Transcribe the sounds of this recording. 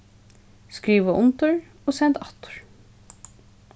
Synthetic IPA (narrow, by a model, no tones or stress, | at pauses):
skɹiːʋaʔʊnt̪ʊɹ | oːsɛnt̪ɑt̪ʊ̥ɹ